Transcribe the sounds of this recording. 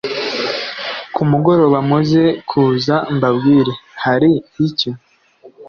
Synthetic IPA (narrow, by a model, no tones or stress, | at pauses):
kʰumuɡo̞ɾo̞βamuze̞kʰuːzambabɡiːɾe̞haɾihici